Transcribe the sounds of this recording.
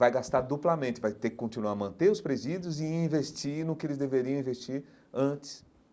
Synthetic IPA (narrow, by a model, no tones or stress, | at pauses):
vajɡast̪aɾd̪uplɐmẽt͡ʃɪvajt̪ekɪ̥kõnt͡ʃinuaɾmɐ̃nt̪eʊspɾezid͡ʒjʊzɪĩvest͡ʃinʊkɪelɪzd̪eveɾiɐ̃ĩvest͡ʃiɾ | ɐ̃t͡ʃɪ̥s